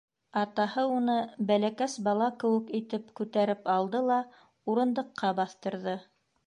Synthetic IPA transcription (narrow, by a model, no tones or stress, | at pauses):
ɑt̪ɑhɤunɤbælækæsbɑlˠɑkɘ̆wɘ̆kit̪ɘp̚kʉt̪æɾɘpɑlˠd̪ɤlˠɑ | uɾɤ̆nd̪ɤ̆qʰːɑbɑθt̪ɤ̆ɾðɤ